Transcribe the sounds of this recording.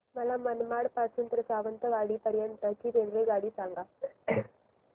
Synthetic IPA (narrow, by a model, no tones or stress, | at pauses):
mɐlamːɐnmaːɽpasunt̪ɾɐsaːʋɐnt̪ɐʋaːɽipɐɾɪjanɾɐt͡ʃːit̪enɾɯɡaːɽisaːŋɡa